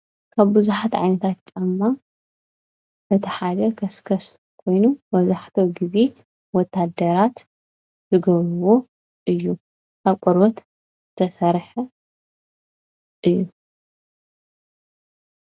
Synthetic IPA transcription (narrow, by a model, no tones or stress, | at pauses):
kʰaβbɨzuħat̪ʕa̰jnɐt̪ʰat̪̚t͡ʃʼɐmːa | ʔɨt̪ʰiħad̪ɐkʰɐskʰɐs | kʰo̞jnubɐzaħt̪ʰɐwɡize̞ | wɔt̪ʰːad̪ɐɾat̪ | zɨɡɐβɾuwo̞ | ʔɨjːu | aβkʼɔɾβɐt̪ | t̪ʰɐsɐɾħɐ | ʔɨjːu